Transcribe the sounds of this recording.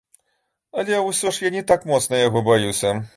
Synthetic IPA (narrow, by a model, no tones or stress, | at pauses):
ɐlʲɛwsʲɔʂjanʲɛt̪akmɔt̪snɐjaɣɔbajuwsʲɐ